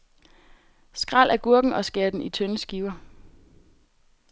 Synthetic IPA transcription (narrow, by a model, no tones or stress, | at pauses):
sɡ̥ʁal̰ʔæɐɡ̥uɐ̰ɡ̥ŋ̩ɒ̽sɡ̥eɐd̥n̩it͡sʰønəsɡ̥iːʊɐ